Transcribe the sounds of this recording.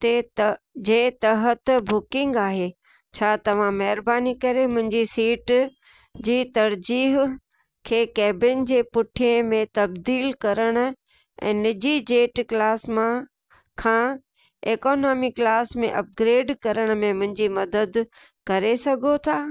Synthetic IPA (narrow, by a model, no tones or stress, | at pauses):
t̪ed͡ʑeːt̪ɐɦət̪bʊkɪ̃ŋɡaːɦeː | t͡ɕʰaːt̪ɐʋ̤ãmɐɦɾbaːnikɐɾemʊ̃ɦɪ̃ɲd͡ʑisiːʈ | d͡ʑiːt̪ɐɾd͡ʑiːɦ | kʰeːkɛːbɪnd͡ʑeːpʊʈʰijẽmẽt̪ɐbd̪iːlkɐɾəɽ̃ʊ̆ | ʔɛ̰̃ːnɪd͡ʑid͡ʑeːʈklaːsmã | kʰãː | eːkoːnaːmɪklaːsmḛ̃ʔɐp̚ɡɾeːɖkɐɾəɽ̃ʊ̆mẽmʊ̃ɦɪ̃ɲd͡ʑimɐd̪əd̪kɐɾesɐɡʱot̪ʰaː